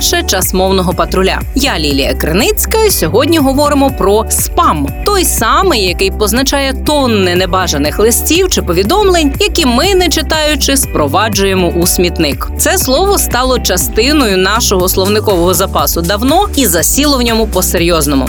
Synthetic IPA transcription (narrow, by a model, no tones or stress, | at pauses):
ʃɛt͡ʃɐsmɔwnɔɦɔpɐt̪ɾʊlʲa̰jalʲilʲijɐ̰kɾɪ̰nɪt͡sʲkɐjsʲɔɦɔdʲnʲiɦɔʋɔɾɪmɔpɾɔspɑmt̪ɔjsɑmɪjːɐkɪjpɔznɐt͡ʃɑjɛt̪ɔnːɪnɛbɑʒɐnɪxlˠɪsʲtʲiwt͡ʃɪpɔʋʲid̪ɔmlˠenʲjɐkʲimɪnɛt͡ʃɪt̪ɑjʊt͡ʃɪspɾɔʋɑd͡ʒʊjemɔʔusʲmʲit̪nɪkt̪sɛslˠɔʋɔst̪ɑlˠɔt͡ʃɐst̪ɪnɔjʊnɑʃɔɦɔslˠɔwnɪkɔʋɔɦɔzɐpɑsʊd̪ɐwnɔizɐsʲilˠɔwnʲɔmʊpɔseɾʲjɔznɔmʊ̰